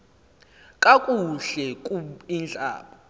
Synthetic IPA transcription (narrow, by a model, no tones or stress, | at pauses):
kʼakʼuɬɛkʼuind͡ɮʱa̰ːɓɔ